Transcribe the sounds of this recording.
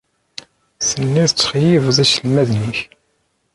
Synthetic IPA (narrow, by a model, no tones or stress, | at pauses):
θənːiðət͡sːχjivðæsəlmæðniç